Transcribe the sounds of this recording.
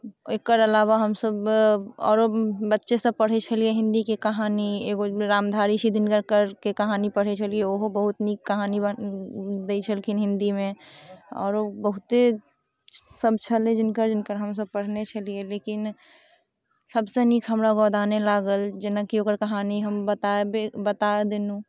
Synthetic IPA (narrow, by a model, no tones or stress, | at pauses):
ekəɾəlaːʋaɦəmsəbɔ̰ːɾobətːʃesə̃pəɽ̤et͡ʃʰəlieɦɪ̃nd̪ikekɐɦaːnieːɡoɾaːmd̪ʱaːɾisid̪ʱɪnɡəɾkəɾkekəɦaːnipəɽ̤et͡ʃʰəlieoɦobəɦʊt̪niːkːəɦaːnib | d̪eit͡ʃʰəlkʰɪnɦɪ̃nd̪imẽɔ̰ːɾobəɦʊt̪e | səb̚t͡ʃʰəlẽd͡ʒɪnkəɾd͡ʒɪnkəɾɦəms̬əb̚pəɽ̤net͡ʃʰəlieleːkɪn | səbsenikʰɦəmɾaɡɔːd̪aːnelaːɡəld͡ʒɪnakioːkəɾkəɦaːniɦəmbət̪aebebət̪aed̪enũ